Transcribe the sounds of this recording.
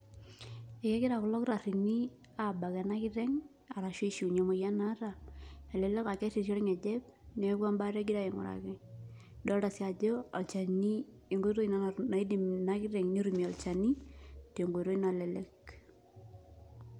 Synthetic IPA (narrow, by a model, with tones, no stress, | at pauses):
ɛ˨kɛ˦kɪ˦ɾa˨kʊ˨lɔ˦kɾa˨ɾi˨ni˦ | a˨ba˨kɛ˨na˦kɪ˦ɾɛ˦ŋ | a˨ɾa˨ʃo˦ʃu˨ɲo˨mo˨ja˦na˦ɾa˨ɛ˨lɛ˨lɛ˦ka˨kɛ˦ɾi˨ʃɔ˦ɾɛ˦ŋɛ˨d͡ʒɛ˦pnɔ˦ka˦mba˦ɾɛ˦ɡɪ˦ɾa˦ɛ˨ŋʊ̰ɾa̰˨kɛ˦ | dɔ˦ɾa˨sja˨d͡ʒɔ˦ɔ˨lt͡ʃa˨ni˦ | e˨ŋɡo˦ɾo˦i˦na˦na˨i˦di˨na˦kɪ˦ɾɛ˨ŋno˦ɾu˨mi˨ɔ˨lt͡ʃa˨ni˦te˨ŋɡo˨ɾo˦i˦na˨lɛ˨lɛ˦k